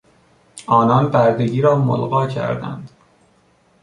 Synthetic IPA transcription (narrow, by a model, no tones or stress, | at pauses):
ʔɒːnɒnbæɾd̪e̞ɟiːɾɒːmo̰lɣɒːcʰæ̰ɾd̪æ̰nd̪̥